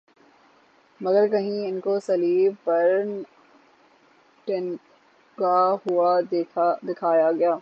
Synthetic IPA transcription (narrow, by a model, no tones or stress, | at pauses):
mɐɡəɾkɐɦĩɪnkosɐliːbpɐɾn | ʈɪn | ɡaɦʊa | d̪ɪkʰaːjaɡɐjaː